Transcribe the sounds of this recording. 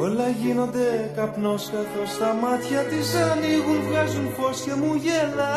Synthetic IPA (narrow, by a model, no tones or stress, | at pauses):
o̞lɐʝino̞nd̪e̞kɐpno̞skɐθo̞st̪ɐmɐt̪çɐt̪isɐniɣunvɣɐzunfo̞sce̞muʝelɐ